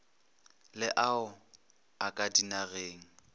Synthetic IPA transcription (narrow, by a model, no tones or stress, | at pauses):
lɪʔaʊ | akʼadinaɣeːŋ̩